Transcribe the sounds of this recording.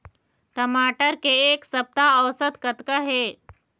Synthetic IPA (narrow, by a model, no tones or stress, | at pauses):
ʈəmaʈəɾkeːksəp̚t̪aəwsət̪kət̪kəɦe